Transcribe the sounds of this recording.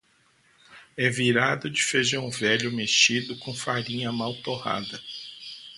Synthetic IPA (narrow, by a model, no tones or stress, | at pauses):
ɛviɾad̪ʊd͡ʒɪfeʒɐ̃w̃vɛʎʊmeʃt͡ʃid̪ʊkõfaɾĩɲɐmawt̪oha̰d̪ɐ